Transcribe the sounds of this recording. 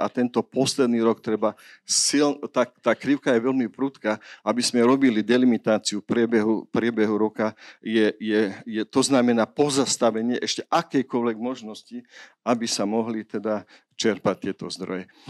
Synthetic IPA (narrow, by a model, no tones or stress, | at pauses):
ʔa̰t̪ɛnt̪ɔpɔslɛd̪niːɾɔkt̪ɾɛbasilnt̪akt̪aːkɾiʊkajɛʋɛlmipɾut̪kaːʔabizmɛɾɔbilid̪ɛlimit̪aːt͡siupɾɪɛbɛɦupɾɪɛbɛɦuɾɔkajɛjɛjɛt̪ɔznamɛnaːpɔzast̪aʋɛɲɪɛʔɛʃcɛʔakɛjkɔlʋɛɡmɔʒnɔsci | abisamɔɦlit̪ɛd̪a | t͡ʃɛɾpac̚t̪ɪɛt̪ɔzd̪ɾɔ̰jɛ